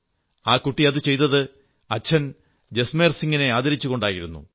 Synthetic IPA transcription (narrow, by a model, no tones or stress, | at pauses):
aːkuʈːiɐðɨt͡ɕe̞jt̪ɐðɨ | ɐt͡ɕʰːɐn | d͡ʑe̞sme̞ːrsiŋɡine̞aːd̪ɐɾit͡ɕːuɣo̞ɳɖaːjiɾunːṵ